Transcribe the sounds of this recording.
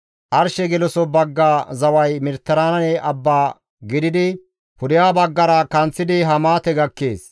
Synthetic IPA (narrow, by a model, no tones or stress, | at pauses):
ʔɐɾʃɛɡɛlɔsɔbɐɡːaːzɐwɐjmɪɾt̪ːɐɾaːnɐnɛʔɐbːaː | ɡɪd̪ɪd̪ɪ | pʊd̪ɪjaːbɐɡːɐɾɐkɐnt͡sːɪd̪ɪɦɐmaːt̪ɛɡɐkːeːs